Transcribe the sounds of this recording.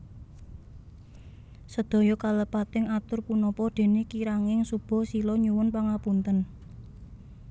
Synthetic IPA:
səd̪̥ɔ̤jɔkaləpat̪ɪŋat̪ʊrpunɔpɔd̪̥e̤nekiɾaŋɪŋsub̥ɔ̤silɔɲuwʊnpaŋapunt̪ən

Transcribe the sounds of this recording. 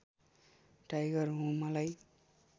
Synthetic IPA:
ɖajɡʌrɦũmʌlaj

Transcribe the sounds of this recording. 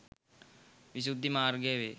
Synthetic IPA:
ʋis̬ud̪ʱːimaːɾɡɛʋe

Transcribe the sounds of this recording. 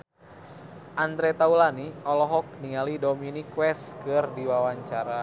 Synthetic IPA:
ʔand̪ɾɛt̪aulaniɔlɔɦɔk̚niŋalidɔminikwɛskɨrdiwawaɲt͡ʃaɾa

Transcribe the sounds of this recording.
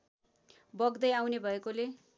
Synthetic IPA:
bʌɡd̪ʌjawnebʱʌekole

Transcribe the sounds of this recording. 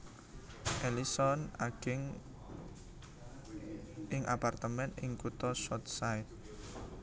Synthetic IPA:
ʔelisɔnaɡ̥ɪŋ | ʔɪŋapart̪əmɛnɪŋkut̪ɔsɔt̪̚saɪt̪̚

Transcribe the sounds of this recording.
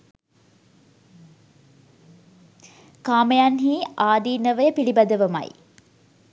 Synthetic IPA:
kaːməjanɦiːaːd̪iːnəʋəjəpiɭibɐd̪əʋɐma̰j

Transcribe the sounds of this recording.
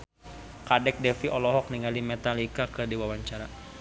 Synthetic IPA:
kadɛk̚dɛfiʔɔlɔɦɔk̚niŋalimɛt̪alikakɨrdiwawaɲt͡ʃaɾa

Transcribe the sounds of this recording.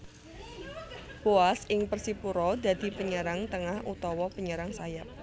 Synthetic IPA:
b̥oasɪŋpərsipuɾɔd̪ad̪̥i̤pəɲəɾaŋt̪əŋahṵt̪ɔwɔpəɲəɾaŋsajap̚

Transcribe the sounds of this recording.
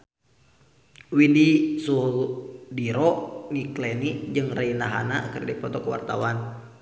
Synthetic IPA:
widisuɦdiɾɔʔŋiklɛnid͡ʒɨŋrainaɦa̰na̰kərdipɔt̪ɔkəwa̰rt̪a̰wan

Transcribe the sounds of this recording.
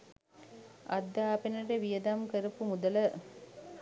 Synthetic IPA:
ʔɐ̰d̪ːaːpenɐɖeʋijəd̪amkəɾupumud̪ɐlə

